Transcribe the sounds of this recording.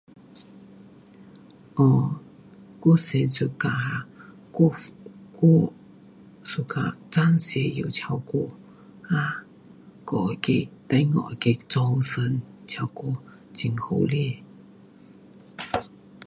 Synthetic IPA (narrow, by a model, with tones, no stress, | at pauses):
ʔɔ˧˩ | ku˥se˧nsu˧ka˧˨ha˧˨ | ku˥ku˥ | su˧ka̰˧˨t͡sa˦˥nsɛ˧jḭ˨wt͡ɕʰa˧wko˧ | ʔa˧˥ | kɔ˨ke˧t̪a˧˥jŋɔ̰˧˨ʔke˧t͡sɔ˧wsə˧˨nt͡ɕʰa˧wko˧ | t͡ɕi˨ŋho˧wli˥˨